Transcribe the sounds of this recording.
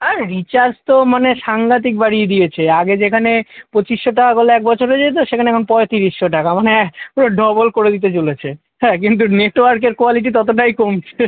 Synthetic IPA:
aɾɾit͡ɕaɾd͡ʑt̪omaneʃaŋɡat̪̬ik̚baɽid̪iet͡ɕʰeaɡed͡ʑekʰanepɾot͡ɕiʃːoʈaɡoleɛk̚bɔt͡ɕʰoɾed͡ʑet̪̬oʃekʰaneɛkʰonpɔet̪iɾiʃːoʈakamaneoɖɔbolkoɾed̪it̪̬et͡ɕolet͡ɕʰe | ɦɛkint̪̬uneʈoaɾkeɾkoaliʈ̬it̪ɔt̪oʈ̬ajkomt͡ɕʰe

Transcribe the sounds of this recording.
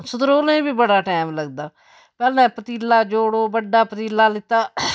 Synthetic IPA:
sʊt̪əɾoːlẽːbiːbəɽaːʈɛːmləɡd̪aː | pɛːlɛ̃ːpət̪iːlːaːd͡ʒoːɽoːbəɖaːpət̪iːlːaːlɪt̪ːaː

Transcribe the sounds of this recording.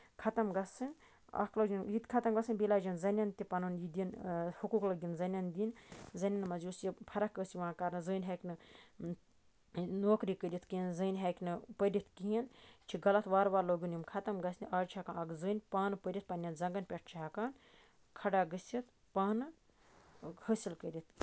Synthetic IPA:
kʰɐt̪ɐmɡɐsɨnʲ | ɐ̰kʰlɐd͡ʒinjit̪kʰɐt̪ɐmɡɐsɨnʲbilaːd͡ʒinzɐnʲɐnt̪ipɐnunjid̪inhukuːklɐɡʲinzɐnʲɐnd̪inzɐnʲɐnmɐzusipʰɐɾɐkɡəsiʋãːkɐɾnɨzɨːnʲɦɐːkʲnɨ | noːkɾiːkəɾʲit̪ʰkiinzɨːnʲɦekʲnɨpəɾʲit̪ʰkiint͡ʃʰiɡɐlɐt̪ʰʋaːɾʋaːɾloːɡʲinjimkʰɐt̪ɐmɡɐsnʲiʔaːt͡ʃʰakanɐɡzɨːnʲpaːnɨpəɾʲit̪̚pɐnʲjɐnzɐŋɡɐnpʲeʈ̚ʰt͡ʃʰaakaːn | kʰɐɖaːɡəsʲit̪ | paːnɨ | həsilkəɾʲit̪̚ʰ

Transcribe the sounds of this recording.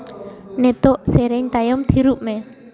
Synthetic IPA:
net̪ʊʔseɾɪŋt̪ajʊmt̪i̤ɾuʔ̚me

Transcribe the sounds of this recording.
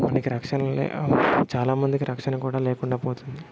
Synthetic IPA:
mɐnɐkiɾɐkʂɐnɐlḛt͡ʃaːlaːmɐnd̪ikiɾɐkʂɐnɐkuːɽaːleːkuɳɖaːpoːt̪und̪i

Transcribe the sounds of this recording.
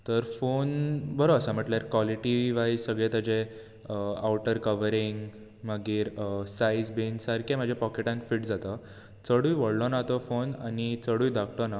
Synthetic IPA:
t̪əɾfonbəɾoəsəm̤əʈlaɾkʋɔliʈiʋiʋajzsəɡɭẽt̪ad͡ʑe | awʈəɾkəʋəɾiŋɡ | məɡiːɾsaisbinsəɾkʰem̤əd͡ʑʱjepɔkeʈãnfiːʈd͡zat̪ə | t͡səɽuːjʋəɽlɔnat̪ɔfonanit͡səɽuːjd̪ʱakʈɔna

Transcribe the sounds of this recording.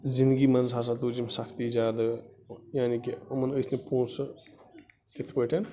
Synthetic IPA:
zind̪ɡimɐnzɦas̬at̪uːd͡ʒimsɐkʰt̪izaːd̪a | jaːnikiɐmənəjsnepoːns | t̪it̪ʰpəʈʰen

